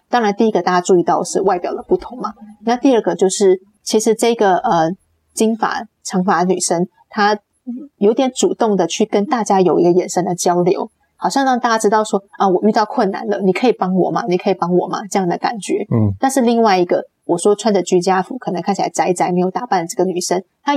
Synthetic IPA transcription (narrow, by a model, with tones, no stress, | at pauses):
t̪ɑ˥ŋɻa˧˥nt̪i˥˩i˦˥ɡə˧t̪a˥˧˩t͡ɕja˥ʈ͡ʂu˥˧i˧t̪ɑ˥˧ʊʂɻ̩˥˧wa˥˩ɪpjɑ˨˩ʊd̪ə˦pu˥˩t̪ʰʊ˧˥˦ŋmɐ˦na˥˧t̪i˥˧ə˥˩ɡə˩t͡ɕjo˥˧ʊʂɻ̩˥˩ | t͡ɕʰi˧˥ʂɻ̩˧˥ʈ͡ʂɤ˥˩i˧˥ɡə˩ə˩ | t͡ɕi˥ŋfa̰˨˩˦ | ʈ͡ʂʰɤ˧˥ŋfa˧˥ny̰˨˩ʂə˥ŋ | t̪ʰa˥ | jo˧˥ʊt̪jɛ˧˥nʈ͡ʂu˨˩t̪ʊ˥˩ŋd̪ə˩t͡ɕʰy˥˩kə˥nt̪a˥˩t͡ɕja˥jo˨˩ʊi˧˥ɡə˧jɛ˨˩nʂə˥nd̪ə˨t͡ɕjɑ˥ʊljo̰˧˥ʊ | xɑ˨˩ʊɕjɑ˥˧ŋɻɑ˥˧ŋt̪a˥˩t͡ɕja˥ʈ͡ʂɻ̩˥t̪ɑ˥˩ʊʂwɔ˥ə˥˧wɔ˨˩y˥˧t̪ɑ˥˧ʊkʰwə˥˩na̰˨˩˦nlə̰˦ni˨˩kʰɤ˧˥i˨˩pɑ˥ŋwɔ̰˨˩mɐ̰˦ni˨˩kʰɤ˧˥i˨˩pɑ˥ŋwɔ̰˨˩mɐ̰˦ʈ͡ʂɤ˥˧jɑ˥˩ŋd̪ə˩ka̰˨˩nt͡ɕɥɛ̰˧˥˦t̪a˥˧nʂɻ̩˥˧li˥˧ŋwa˥˩ɪi˧˥ɡə˧˨ | wɔ˨˩ʂwɔ˥ʈ͡ʂʰwa˥nə˨t͡ɕy˥t͡ɕja˥fu˧˥kʰɤ˨˩nə˧˦ŋʰa˥˩nt͡ɕʰla̰˧ɪt͡sa˧˥ɪt͡sa˧˥ɪme˧˥ɪjo˧˩ʊt̪a˨˩pa˥˩n˩ʈ͡ʂɤ˥˩ɡə˩ny˨˩ʂə˥ŋn | t̪ʰa˥